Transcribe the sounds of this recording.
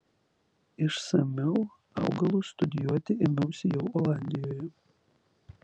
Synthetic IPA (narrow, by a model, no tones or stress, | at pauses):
ɪʃsɐmʲɛʊ | ɑ̰ʊɡɐlˠust̪ʊd̪ʲɪjuɔt̪ʲɪɪmʲɛʊsʲɪjɛʊɔlˠaːnʲd̪ʲɪjoːjɛ